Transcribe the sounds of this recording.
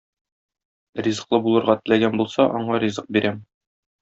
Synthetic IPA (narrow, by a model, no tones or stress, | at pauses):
rʲizɤ̆qlˠɤbulˠɤ̆ɾʁɑt̪ɘ̆læɡænbulˠsɑʔɒɴɑɾʲizɤq̚biɾæm